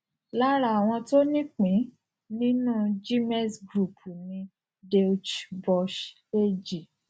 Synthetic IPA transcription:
la˦ɾa˦˨a˨w̃ɔ̃˧to˦nĩ˦k͡pĩ˨˦ | nĩ˦nũ˦˨d͡ʒi˦mɛ˦˨sɡɾu˨pʰu˨nĩ˧ | de˦u˦t͡ʃbɔ˧ʃ | e˦d͡ʒi˨

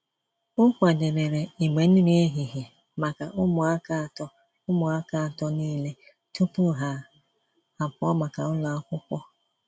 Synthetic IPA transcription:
ʊ˦kʷa˨de˨ɾe˨ɾe˨i˨me˨n̩˦ɾe˦ɦi˨ɦi˨ | ma˨ka˨ʔʊ˦mʊ˨a˦ka˦˨tɔ˦ | ʊ˦mʊ˨a˦ka˦a˨tɔ˦niː˦le˦ | tu˦pu˦ɦa˨ | a˨pʊ˨˦ɔ˦ma˨ka˨ʊ˦la˨a˦kʷʊ˦kʷɔ˦

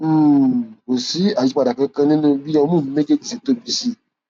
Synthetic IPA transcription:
ko˨si˨˦a˨i˦k͡pa˧˨da˨kã˧kã˧nĩ˦nũ˧bi˦ã˧mũ˦˨ĩ˧me˦ɡe˦d͡ʒi˦˨se˨to˦˨bi˧˦si˦˨

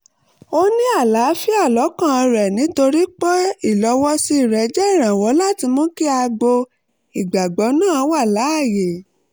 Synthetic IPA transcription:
o˦nĩ˦a˦˨la˨˦fi˦a˦˨lɔ˨˦kã˦˨˧ɾɛ˨nĩ˨˦to˧ɾi˦k͡pɔ˦i˦˨lɔ˧wɔ˦si˦i˦˨ɾɛ˨˦d͡ʒɛ˦i˦˨ɾ̃ã˨wɔ˨˦la˦˨ti˧mɔ̃˦ki˦a˧ɡ͡bo˧ | i˨ɡ͡ba˨ɡ͡bɔ˨˦nãː˦˨˧wa˦˨la˨˦a˦˨je˨

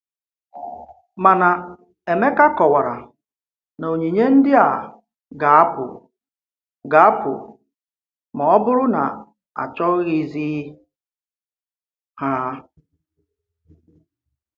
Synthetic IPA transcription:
ma˨na˨ | e˨me˦ka˦kɔ˨wa˨ɾa˨ | no˨ɲi˨ɲe˦n̩˦dɪ˦a˨ | ɡa˨a˦pʊ̰˨ | ɡa˨a˦pʊ̰˨ | mɔ˨ɔ˦bʊ˦ɾʊ˦na̰˨ | a̰˨t͡ʃɔ˦ɣɣi˨zi˦ | ha˦

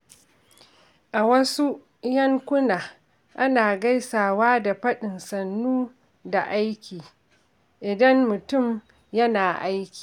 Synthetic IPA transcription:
ʔa˨wɐ˦su˦ | jɐ˦ŋkʷʊ˦naː˨ | ʔa˦naː˨ɡɐ˦jsaː˨waː˦da˨ɸɐ˦ɗɪ˨nsɐ˨nːuː˦ | da˨ʔa˦jkʲiː˨ | ʔɪ˨dɐ˦mːʊ˨tʊ˦˨m | jɐ˦naː˨ʔa˦jkʲiː˨

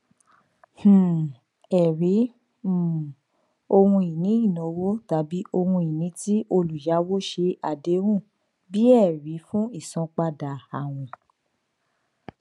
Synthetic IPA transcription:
h̩˨ | ɛ˨ɾi˨˦˨ | o˧hũ˧i˨nĩ˨˦i˦˨nɔ̃˨˦wo˦ta˨˦bi˦ʔo˧hũ˧i˨nĩ˨˦ti˦ʔo˧lu˨ja˨˦wo˦ʃe˧a˨de˨˦wũ˦˨ | bi˦ɛ˦˨ɾi˨˦fũ˦i˦˨sɔ̃˧k͡pa˧da˨a˨w̃ɔ̃˨

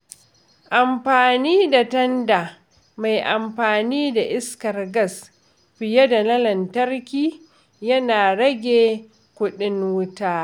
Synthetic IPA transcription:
ʔa˨mɸaː˨niː˦da˨tɐ˦nda˨ | ma˨jʔa˨mɸaː˨niː˦da˨ʔɪ˦skɐ˨rɡɐ˦˨s | ɸɪ˨jɐ˦da˨lɐ˦lɐ˨ntɐ˦rkʲiː˦ | jɐ˦naː˨ɽɐ˦ɡʲeː˨ | kʷʊ˦ɗɪ˦nwʊ˦taː˦

